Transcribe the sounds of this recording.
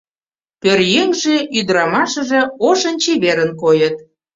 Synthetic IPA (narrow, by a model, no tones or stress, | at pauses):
pørjeŋʒeʔyd̪ɾɑmɑʃə̆ʒĕoʃənt͡ɕeβeɾənkojət̪̚